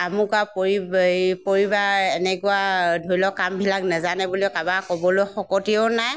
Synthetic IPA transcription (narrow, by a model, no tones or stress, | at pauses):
amukapipoɹibaɛnɛkʊadʱoɹilɔkambʱilaknɛzanɛbuliɔkabakɔbɔlojxɔkɔtiɔʊnaj